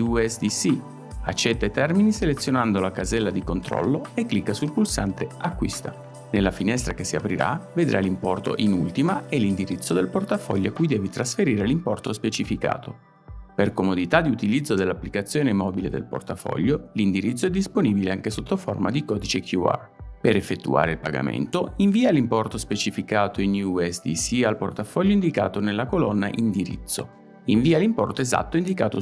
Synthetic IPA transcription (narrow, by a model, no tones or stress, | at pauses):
uɛsd̪isi | at͡ʃːɛt̪ːat̪ɛrminiselet̪sːjonand̪olakazɛlːad̪ikont̪ɾɔ̰lːoekːlikːasulpulsant̪eakːwḭst̪a | nelːafinɛst̪ɾakesːiapɾiɾa̰ved̪ɾʔa̰limpɔrt̪o̰ʔinult̪imaelind̪iɾit̪sːod̪elport̪afɔ̰ʎːoakːujd̪ɛːvit̪ɾasfeɾiːɾelimpɔrt̪ospet͡ʃifika̰ːt̪o | perkomod̪it̪ad̪iut̪ilid̪zːod̪elːapːlikat̪sːjoːnemɔbilḛd̪ḛlpo̰rt̪afɔ̰ʎːolind̪iɾit̪sːoɛd̪ːisponibileaŋkesot̪ːofo̰rma̰d̪ikɔːd̪it͡ʃekʰjua̰ | peɾefːet̪ːṵa̰ːɾeilpaɡa̰mḛnt̪oiɱviːalimpɔrt̪ospet͡ʃifikaːt̪oinuɛsd̪ḭsialport̪afɔʎːoind̪ikaːt̪onelːakolɔnːa̰ʔind̪iɾḭt̪sːo̰ | iɱviːalimpɔ̰rt̪oeza̰t̪ːoind̪ikaːt̪o̰